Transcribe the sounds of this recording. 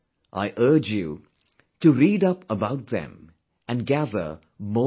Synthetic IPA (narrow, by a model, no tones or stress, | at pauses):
ʔa̰ɪʔɜ˞d͡ʒjṵ | tɨɾiːɾʌpəbaʊt̚ðɛ̰̃m | ɨ̃nɡæðə̰˞ | mo